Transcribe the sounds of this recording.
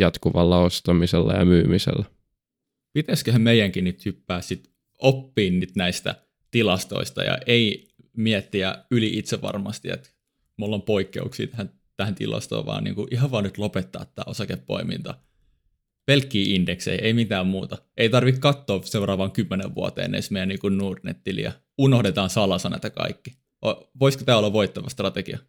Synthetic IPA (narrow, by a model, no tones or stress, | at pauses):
jɑt̪kuʋɑlːɑost̪ɑmiselːæ̰jɑ̰myːmisḛlːæ | pit̪æskøhæmmeijːˑæŋkinnyt̪hypːæːssit̪ | opːiːnnyt̪næist̪æ̰ | t̪ilɑst̪o̰ist̪ɑ̰jɑ̰ʔei | miɛt̪ːiæyliʔit̪seʋɑ̰rmɑst̪iḛt̪ | mulːompoikːḛuksḭːt̪æhæn | t̪æhænt̪ḭlɑ̰st̪o̰ːʋɑ̰ːnḭːŋkuʔiɦɑʋʋɑːnnyt̪lopet̪ːɑ̰ːt̪ːæ̰ːosɑkepːo̰imḭnt̪ɑ̰ | pelkːiːʔindeksḛiʔeimit̪æːmmuːt̪ɑʔeit̪ɑrʋikkɑt̪ːoːseurɑːʋɑŋkymːeneʋʋuo̰t̪ḛːnḛnsmeijæniːŋkunnuːrnḛt̪ːilḭæ̰ | unohdet̪ɑːnsɑlɑsɑnæ̰et̪ækɑ̰ikːi | ʔoʋoisko̥t̪æːolːɑʋʋoit̪ːɑʋɑst̪rɑt̪eɡ̥iɑ